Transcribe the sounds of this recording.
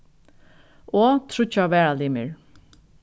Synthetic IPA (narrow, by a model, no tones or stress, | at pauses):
ɔːt̪ʰɾʊt͡ʃːaʋɛːɹaliːmɪɹ